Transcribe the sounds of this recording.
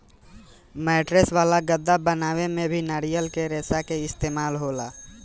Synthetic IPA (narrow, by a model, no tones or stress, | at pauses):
mɛːʈɾesʋaːlaɡəd̪ːabənaːwemẽbʱinaɾijəlkeɾeːsakeɪst̪eːmaːlɦoːlaː